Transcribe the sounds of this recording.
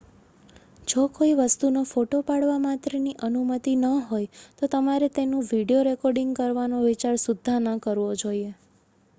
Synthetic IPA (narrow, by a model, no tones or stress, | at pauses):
d͡ʒokoiʋəst̪unofoʈopaɽʋamat̪ɾəniʔənumət̪inəɦojt̪ot̪əmaɾet̪enũʋiɽijoɾekɔɾɖiŋɡkəɾʋanoʋit͡ʃaɾsud̪ʱːanəkəɾʋod͡ʒoie